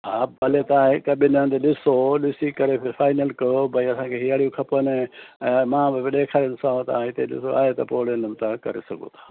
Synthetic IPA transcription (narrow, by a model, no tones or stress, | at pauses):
ɦaːɐlet̪ɐãɪkɐɓɪnə̃d̪eɗɪsoɗɪsikɐɾepʰɪfaːɪnəlkɐobɐiɐsãːkʰeɦiaːɽijũkʰɐponɛ̃mãːbɪbɪɗeːkʰaːɾɪnɪsaːõt̪ɐãɪt̪eɗɪ̰soa̰ːɦet̪ɐpoːɽenəmt̪ãkɐ̰ɾḛsɐɡo̰t̪ʰḁː